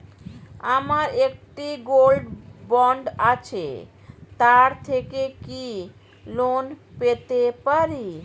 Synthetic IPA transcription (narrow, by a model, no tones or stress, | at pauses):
amaɾek̚ʈiɡolɖbɔɳɖat͡ɕʰḛ | t̪aɾt̪ʰekeki | lonpet̪epaɾi